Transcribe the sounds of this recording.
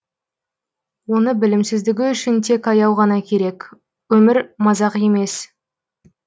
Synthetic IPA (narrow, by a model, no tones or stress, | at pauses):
wo̞nəbɪlɪmsɪzd̪ɪɡʲɪʏʃɪnt̪ʰe̞kɑjɑwʁɑnɑkʲʰe̞ɾe̞kʲ | wɵmɪɾmɑzɑqje̞me̞s